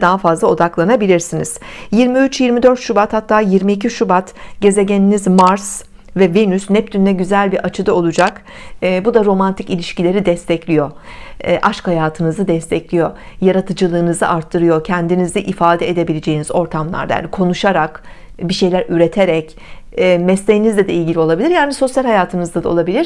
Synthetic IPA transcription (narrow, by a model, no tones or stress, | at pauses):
d̪aɦafazlˠao̞d̪aklˠanabilʲiɾsiniz̥jiɾmiyt͡ʃjiɾmid̪ø̞ɾt̪ʃubat̪hat̪ʰːaːjiɾmiːc̬ʰiʃubat̪ɟe̞ze̞ɟʲeninizmaɾs | vɛvenysnɛp̚t̪ʰynd̪ɛɟyzælʲbiɾʔat͡ʃʰɯd̪ao̞lˠud͡ʒakː | bud̪aɾo̞mant̪ʰicilʲiʃcilʲe̞ɾid̪ɛst̪ʰɛclʲijo̞ʔaʃkhajaːt̪ʰɯnɯzɯd̪ɛst̪ʰɛclʲijo̞jaɾat̪ʰɯd͡ʒɯlˠɯːnɯzɯ̰ʔaɾt̪ʰːɯɾɯjo̞cʰɛnd̪inizd̪ɛʔifaːd̪ɛed̪e̞bilʲed͡ʒe̞jinizo̞ɾt̪ʰamlˠa̰ɾd̪aja̰nikʰo̞nuʃaɾak | biʃe̞jlʲæɾyɾe̞t̪ʰeɾɛc | ɛmɛst̪ejinizd̪ɛd̪ɛilʲɟilʲio̞lˠabilʲiɾjaːniso̞sjalʲɦhajaːt̪ʰɯnɯzd̪ad̪ao̰lˠabilʲiɾ